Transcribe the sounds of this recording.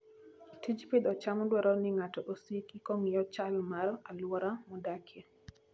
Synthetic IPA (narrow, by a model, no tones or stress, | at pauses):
tʰid͡ʒpid̪ɔt͡ʃamdwɔɾɔnɪŋatɔʔosikikɔŋiɔt͡ʃalmaralwɔɾamudakʰjɛ